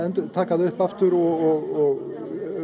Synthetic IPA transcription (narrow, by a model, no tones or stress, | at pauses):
ɛnt̪ʏt̪ʰaːkaðɪʏhpaft̪ʏɾɔɣɔɣɔɣ